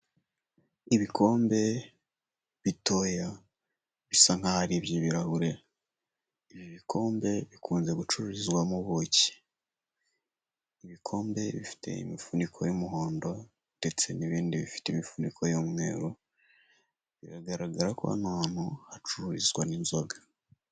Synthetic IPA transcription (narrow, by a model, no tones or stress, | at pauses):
iβikʰo̞ːmbe̞ | βito̞ja | βisaŋ̥hahaɾiβjiβiɾahuɾe | iβjoβikʰo̞ːmbe̞βikʰuːnze̞ɡut͡ʃuɾuɾizwamuβoci̥ | iβikʰo̞ːmbe̞βifi̥tʰe̞̰ḭmifunikʰo̞jomuɦo̞ːndo̞ | nd̥e̞t͡se̞niβiːndiβifi̥teimifunikʰo̞jomwḛːɾo | βiɾaɡaɾaɡaɾakua̰nanohat͡ʃuɾuɾizɡwaninzoɡa